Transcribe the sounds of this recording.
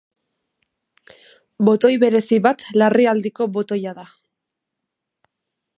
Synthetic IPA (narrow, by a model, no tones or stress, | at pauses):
bo̞t̪o̞jβe̞ɾe̞siβat̪lariald̪iko̞βo̞t̪o̞jaða